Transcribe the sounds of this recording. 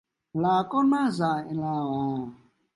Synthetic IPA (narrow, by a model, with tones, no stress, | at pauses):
la˨kɔ˦na˦za˨ɪ˨la˨ɣɔ˨